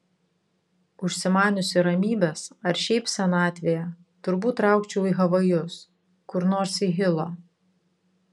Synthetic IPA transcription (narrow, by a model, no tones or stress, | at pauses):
ʊʃʲsʲɪmɑːnʲʊsʲɪɾɐmʲiːbʲɛsɐɾʃʲɛɪpsʲɛnɑːt̪ʲʋʲejɛ | t̪ʊɾbuːt̪ːɾɑˑʊkt͡ʃʲɛʊiˑɣɐʋɐjʊs | kʊɾnoːɾsiɦʲɪlˠoː